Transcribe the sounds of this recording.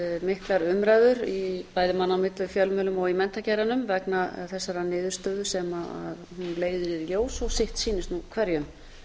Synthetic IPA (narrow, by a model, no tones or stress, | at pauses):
mɪhklaɾʏmɾaːjðʏɾipaːjðɪmanːawmɪt̪ʏfjœlmœːlʏmɔɣimɛnt̪acɛːɾanʏmvɛknaθɛsːaɾanɪːðʏɾ̥st̪œːðʏsɛmaa̰ðhunleːjðʏɾiðljoːwsɔɣsɪht̪siːnɪst̪nukʰvɛɾjʏm